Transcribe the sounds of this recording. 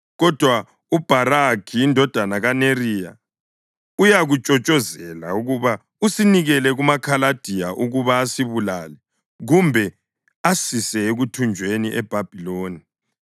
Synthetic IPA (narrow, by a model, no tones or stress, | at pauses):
ɣɔd̥ʱwa | ub̥ʱarakʰiːndʱɔd̥ʱanaɣanerija̰ | ujaɣut͡ʃʼɔt͡ʃʼɔzɛla̰uɣuβa | usiniɣɛlɛɣumakʰalad̥ʱijaʔuɣuβaːsiβulalɛ | ɣumbʱɛ | asisɛeɣutʰund͡ʒʱweniʔɛb̥ʱab̥ʱiloːni